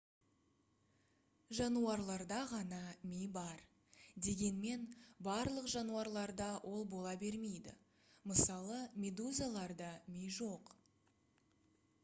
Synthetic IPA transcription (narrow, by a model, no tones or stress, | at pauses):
ʒɑnuɑɾlˠɑɾd̪ɑʁɑnɑmejbɑɾ | d̪e̞ɡʲe̞nme̞nbɑɾlˠəqʒɑnuɑɾlˠɑɾd̪ɑwʔo̞lˠbo̞lˠɑbe̞ɾme̞jd̪ɪ̰ | məsɑlˠəmʲe̞d̪uzalˠɑɾd̪ɑmejʒo̞q